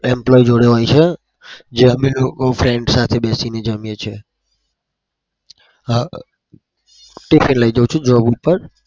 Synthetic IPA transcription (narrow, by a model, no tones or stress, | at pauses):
ɛmplɔid͡ʒoɽeɦojt͡ʃʰe | d͡ʒeəmelokofɾeɳɖsat̪ʰebɛsined͡ʒəmjet͡ʃʰe | ʈifʰinləid͡ʒəut͡ʃʰud͡ʒəʋabupəɾ